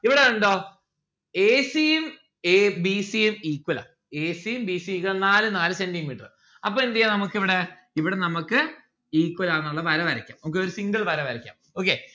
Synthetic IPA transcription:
iʋiɽeuɳɖo̞ː | eːsijem | ebisijemiːkwɐlɐ̰ | eːsijembiːsiikːɐlɐnaːlɨnaːlɨse̞nɖimiːʈːɐr | ɐpːoːend̪ijɐnɐmukːiʋiɽe̞ | iʋiɽe̞nɐmukːɨ | iːkːwɐlaːnːuɭːɐpɐɾɐʋɐɾɐkʲːa̰ːmnɐmk̬ːeo̞ɾusiŋɡɐɭpɐɾɐʋɐɾɐkʲːa̰ːmoːk̬ːe

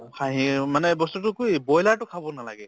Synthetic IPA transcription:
kʰaɦĩmanɛbɔstutʊkujbɔjlatʊkʰabɔnalaɡɛ

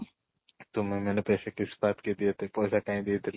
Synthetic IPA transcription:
t̪ʊmemɛːnepɛːsekɪsbaːt̪ked̪iet̪epɔːsakaːĩd̪iet̪ʰel

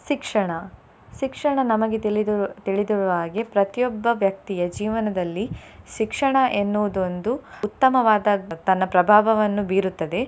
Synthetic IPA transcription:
ʃikʂɐɳɐ | ʃikʂɐɳɐnɐmɐɡe̞ɭit̪iɭid̪uɭuʋaːɡe̞pɾɐt̪jɔbːɐʋjɐk̚t̪ijɐd͡ʒiːʋɐnɐd̪ɐlːiʃikʂɐɳɐʔenːuʋud̪ond̪uut̪ːɐmɐʋaːd̪ɐt̪ɐnːɐpɾɐbʱaːʋɐʋɐnːubiːɾut̪ːɐd̪e̞

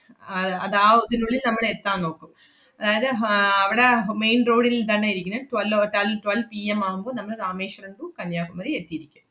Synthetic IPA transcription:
ɐɐ̰ðaːʋɐðɯnuɭːɪlnɐmːɐɭɛt̪ːãːnoːkːɯm | ɐðaːjɐðɯɐʋiɽɐmeɪnɾoːɽɪlt̪ɐnːɐɪɾikʲːɯnɐʈʋɐlʈɐlʈʋɐlpiːɛmaːɣɯmboːðɨnɐmːɐɭɾaːmeːʂɐɾeɳɖukɐnjaːɣumɐɾiet̪ːijɪɾikʲːum

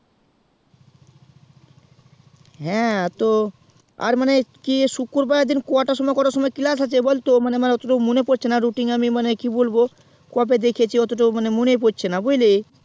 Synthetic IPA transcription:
ɦɛ̃t̪o | a̰ɾmanekiʃukːoɾbaad̪inkoaʈaʃɔmɔekɔɾaɾʃɔmɔekilas̬at͡ɕʰebolt̪omanemaneɔt̪oʈamunepoɾt͡ɕʰenaɾuʈiŋamimanekibolbo | koap̬ed̪ekʰiet͡ɕʰiɔt̪oʈ̬omanemunep̬oɾt͡ɕʰenabojle

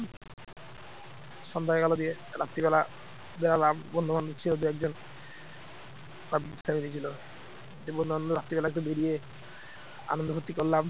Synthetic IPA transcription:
ʃɔnd̪ʱaekalod̪ie | ɾa̰t̪ːiβɛla | d̪eɾalabbɔnd̪omand̪ot͡ɕʰilod̪uɛk̚d͡ʑon | pabsamid̪it͡ɕʰilo | d͡ʑebɔnd̪ʱomand̪oɾat̪ːibɛlaket̪̬ubeɾije | a̰nond̪oɦot̪ːikollam

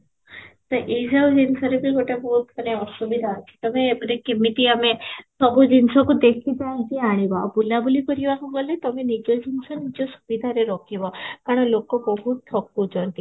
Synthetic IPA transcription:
t̪ɔʔid͡ʒawd͡ʒinsɔɾebiɡoʈabɔɦut̪kaneɔsubid̪ʱaət͡ʃʰi̥t̪ɔmeːpɾekimit̪iamesɔbud͡ʒinsɔkud̪ekʰid̪ajd͡ʒiaɽ̃ibabulabulikɔɾibakuɡɔlet̪ɔmenid͡ʒɔd͡ʒinsɔnid͡ʒɔsu̥bid̪ʱaɾeɾɔkʰibɔkaɽ̃ɔ̃lokɔbɔɦut̪ʰːɔkːud͡ʒɔnt̪i

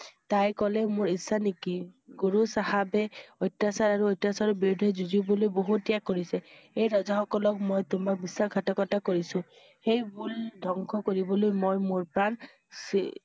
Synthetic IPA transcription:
tajkɔlɛmoɹisːanikiɡoɹusaɦabɛɔjtːasaɹaɹuɔjtasaɹɔbidʱɛzuzibɔlojboɦuijakːoɹisɛejɹɔzaxɔkɔlɔkmojtʊmak̚bisaɡʱatɔkɔtakoɹisʊ̃ | xejbuldʱɔŋkʰɔkoɹibɔlojmojmoɹpɹan | s

